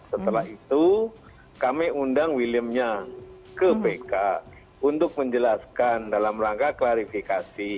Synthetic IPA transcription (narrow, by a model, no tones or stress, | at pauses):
sət̪əlaɦit̪u | kamiundaŋwiliəmɲa | kəpeka | unt̪ʊk̚məɲd͡ʒəlaskandalamraŋkaklaɾifikasi